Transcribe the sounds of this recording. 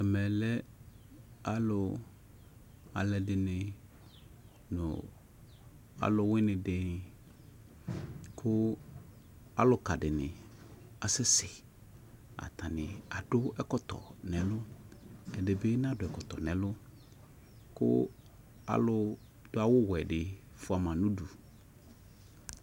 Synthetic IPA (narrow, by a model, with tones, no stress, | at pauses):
ɛ˨mɛ˨lɛ˦ | a˦lʊ˨ | a̰˨lɛ˨dɪ˨nɪ˨ | nʊ̰˨ | a̰˨lʊ˨wɪ˦nɪ̃˨dɪ˨ | kʰʊ˦ | a˨lʊ˨ka˨dɪ˨nɪ̰˨a˨sɪ˦sɪ˨ | a̰˨t̪ʰa˨nɪ̃˨a˨dʊ˦ɛ˦kɔ˦t̪ɔ̰˨nɛ̃˨lʊ˦ | ɛ˨dɪ˨bɪ˦n˦a˨dʊ˨ɛ˨kɔ˨tɔ˨nɛ̃˨lʊ˦ | kʊ̰˦ | a̰˨lʊ˦ | d̥ʊ˦a˨wʊ˦wɛ˨dɪ˨ | fʊ˦a˨mã˨nʊ̃˦du˨